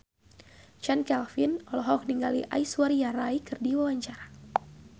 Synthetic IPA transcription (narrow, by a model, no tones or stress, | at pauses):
t͡ʃankɛlfinɔlɔɦɔk̚niŋɡaliʔa̰isuaɾijaɾaikɨrdiwawaɲt͡ʃaɾa